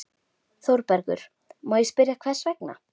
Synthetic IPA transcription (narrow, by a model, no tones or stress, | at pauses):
θowɾpɛɾkʏ̰ɾ̥ | majspɪɾjakʰv̥ɛ̥svɛkna̰